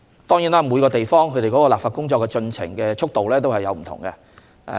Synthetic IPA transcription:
t̪ɔː˥ŋjiː˨˥naː˥muː˨˧jkɔː˧t̪e˨jfɔː˥ŋkʰɵ˨˧ɾe˨jkɔː˨˥kɔː˧laː˨p̚faː˧t̚kʊ˥ŋt͡ʃɔː˧kːɛ˧t͡ʃɵ˧nt͡sʰɪ̰˨˩ŋkɛː˧t͡ʃʰʊ˥k̚t̪o˨wlɛː˥t̪o˥whɐ˨jɐ˨˧wm̩ʰ˨˩ʊ̰˨˩ŋkɛ̰˧˨

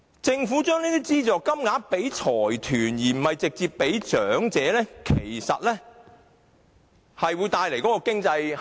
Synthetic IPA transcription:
t͡sɪ˧ŋfuː˨˥t͡ʃœː˥ŋniː˥t̪iː˥t͡siː˥t͡sɔː˨kːɐ˥mŋaː˨˥pe˨˥jt͡ʃʰɔː˨˩jt̪ʰyː˨˩njiː˨˩m̩˨˩mɐ˨jt͡sɪ˨k̚t͡siː˧ppːe˨˥jt͡ʃœː˨˥ŋt͡sɛː˨˦lɛː˥kʰe˨˩jsɐ̰˨t̚lɛː˥ | hɐ˨jwuː˨˧jt̪aː˧jle˨˩jkɔ˨˥kɔː˧kɪ˥ŋt͡sɐ˧j

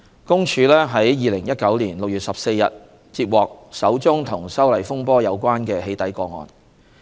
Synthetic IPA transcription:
kʊ˥ŋt͡ʃʰyː˨˧lɛː˥ɦɐ˨˥jjiː˨˧lɪ˨˩ŋjɐ˥t̚kɐ˨˥wliː˨˩nlʊ˨k̚jyː˨t̚sɐ˨p̚se˧jjɐ̰˨t̚ | t͡siː˧p̚wɔː˨k̚sɐ˨˥wt͡sʊ˥ŋt̪ʰʊ˨˩ŋsɐ˥wlɐ˨jfʊ˥ŋpɔː˥jɐ˨˧wkʷwaː˥nkɛː˧ɦe˨˧jt̪ɐ˨˥jkɔː˧ŋɔ̰ː˨˧n

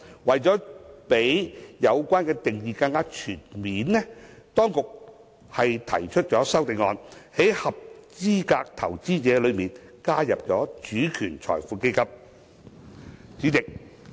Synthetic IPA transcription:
wɐ˨jt͡sɔː˨˥pe˨˥jjɐ˨˧wkʷaː˥nkɛː˧t̪ɪ˨ŋjiː˨˧kɐ˧ŋkaː˥t͡ʃʰyː˨˩nmiː˨˥nlɛ˥t̪ɔː˥ŋkʊ˨k̚ | hɐ˨jt̪ʰɐ̰˨˩jt͡ʃʰɵ˥t̚t͡sɔː˨˥sɐ˥wt̪ɪ˨˧ŋɔ̰ː˧nhe˨˥jhɐ˨p̚t͡siː˥kaː˧k̚t̪ʰɐ˨˩wt͡siː˥t͡sɛː˨˧˥lɵ˨˧ɥmiː˨nkaː˥jɐ˨p̚t͡sɔː˨˥t͡ʃyː˨˥kʰyː˨˩nt͡sʰɔ̰ː˨˩jfuː˨˧ke˥jkɐ˥p̚ | t͡syː˨˥t̪ɪ˨k̚

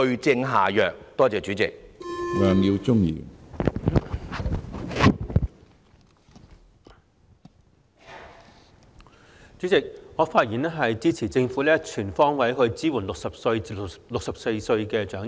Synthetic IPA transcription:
ɵ˧ɥt͡sɪ˧ŋɦa̰ː˨jœː˨k̚t̪ɔː˥t͡sɛː˨t͡ʃyː˨˥t͡sɪ˨k̚lœː˨˧ŋjiː˧wt͡sʊ˥ŋjḭː˧ | t͡ʃy˨˥t͡sɪ˨k̚ŋɔː˨˧faː˧t̚jiː˨nɛ˥ɦɐ˨jt͡siː˥t͡sʰi˨˩t͡sɪ˧ŋfuː˨˥lɛː˥t͡ʃʰyː˨˩nfɔː˥ŋwɐ˨˥jɦɵ˧ɥt͡siː˥wuː˨˩nlʊ˨k̚sɐ˨p̚sɵ˧ɥlʊ˨k̚sɐ˨p̚se˧jsɵ˧ɥkɛː˧t͡ʃœː˨˥ŋ

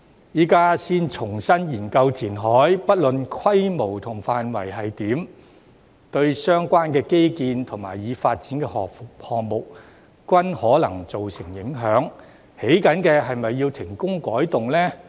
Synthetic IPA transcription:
jiː˨˥kaː˥siː˥nt͡sʰʊ˨˩ŋsɐ˥njiː˨˩nkɐ˧wt̪ʰiː˨˩nɦɔː˨˥jpɐ˥t̚lɵ˨nkʰɐ˥jmo˨˩wt̪ʰʊ˨˩ŋfaː˨nwɐ˨˩jɦɐ˨jt̪iː˨˥m | t̪ɵ˧ɥsœː˥ŋkʷaː˥nkɛː˧ke˥jkiː˧nt̪ʰʊ˨˩ŋmaː˨˩jːiː˨˧faː˧t̚t͡siː˨˥nkɛː˧hɔ˨hɔː˨k̚mʊ˨k̚ | kʷɐ˥nhɔː˨˥lɐ˨˩ŋt͡so˨wsɪ˨˩ŋjɪ˨˥ŋɦœː˨˥ŋ | he˨˥jkɐ˨˥nkɛː˧ɦɐ˨jmɐ˨jːiː˧wt̪ʰɪ˨˩ŋkʊ˥ŋkɔː˨˥jt̪ʊ˨ŋlɛː˥

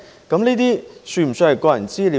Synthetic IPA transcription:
kɐ˨˥mniː˥t̪iː˥sy˥˧m̩˨˩sɵ˧hɐ˨˧jkɔː˧˩jɐ˨˩nt͡siː˥li˨

